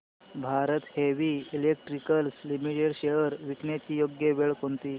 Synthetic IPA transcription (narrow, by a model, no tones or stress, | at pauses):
bʱaɾət̪heʋiːilek̚ʈɾikəlslimiʈeɽɕejəɾʋiknet͡ɕiːjoɡjəʋeɭkont̪iː